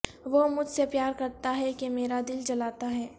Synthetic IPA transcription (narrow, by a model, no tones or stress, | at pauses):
ʋomʊd͡ʒʱsepjaːɾkɐɾt̪aɦɛkemeːɾad̪ɪld͡ʒɐlaːt̪aɦɛː